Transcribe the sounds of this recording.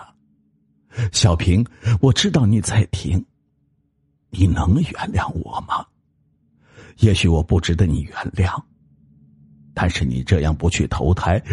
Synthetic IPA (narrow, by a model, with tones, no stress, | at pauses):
ɕjɑ˨˩ʊpʰi˧˥ŋwɔ˨˩ʈ͡ʂɻ̩˥t̪ɑ˥˩ʊni˨˩t͡sa˥˩ɪt̪ʰi˧˥ŋ | ni˨˩nɤ˧˥ŋjɛ̰˧˥nljɑ˥˩ŋwɔ̰˨˩mɐ˧˦ | jɛ˧˥ɕy˨˥wɔ˨˩pu˥˩ʈ͡ʂɻ̩˧˥d̪ə˧ni˨˩ɥɛ˧˥nljɑ˥˩ŋ | t̪a˥˧nʂɻ̩˥˩nḭ˨˩ʈ͡ʂɤ˥˧jɑ̰˥˩ŋpu˧˥t͡ɕʰy˥˩t̪ʰo̰˧˥ʊt̪ʰa˧˥ɪ